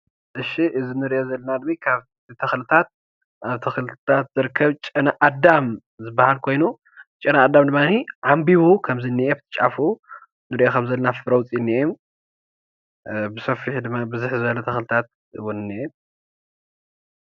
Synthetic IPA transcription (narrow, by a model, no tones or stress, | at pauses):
ʔɨʃiʔɨzinɨɾiʔozɐlːɐnad̪mikʰaβ | t̪ʰɐxlɨt̪ʰat̪̚ | ʔaβt̪ʰɐxlɨt̪ʰat̪zɨɾkʰːɐβt͡ʃʼɨnaʔad̪am | zɨbːahalkʰo̞jnu | t͡ʃʼɐnaːd̪amd̪ɨmːaniʕambiβukʰɐmzinːiʔebt̪ʰɨ̥t͡ʃʼa̰fu | nɨɾiʔokʰɐmzɐlːɐnafɾɐwt͡sʼjnːiʔem | bɨsɐfiħd̪ɨmːabɨzuħzɨbɐlɐt̪ʰɐxlɨt̪ʰat̪̚ | ɨwʊnɨnːiʔem